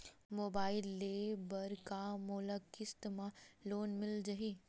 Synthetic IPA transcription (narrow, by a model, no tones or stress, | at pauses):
moːbaːɪlːeːbɐɾkamoːləkɪst̪mãloːnmɪld͡ʒaɦi